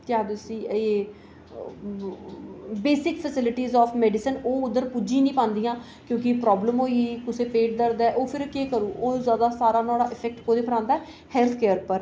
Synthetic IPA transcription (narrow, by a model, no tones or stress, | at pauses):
t̪jaːd̪ʊsiːeː | beːsɪkpʰəsɪlɪʈiːzɔːpʰmɛːɖɪsənoːʊd̪əɾpud͡ʒĩːnĩːpãːnd̪iːjãː | kjõːkɪpɾɔːbləmɦoːikʊseːpeːʈ̚d̪əɾd̪ɛːʔoːpʰɪɾkeːkəɾuːʔoːzjaːd̪aːsaːɾaːnaːɽaːʔɪpʰɛk̚ʈkoːd̪eːpʰəɾãːnd̪aɛ | hɛːlt̪ʰkeːəɾpəɾ